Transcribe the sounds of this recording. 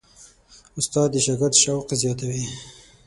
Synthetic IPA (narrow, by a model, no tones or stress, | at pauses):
ʊst̪ɑːd̪əʃaɡaɾt̪ʃawqezjɑt̪awi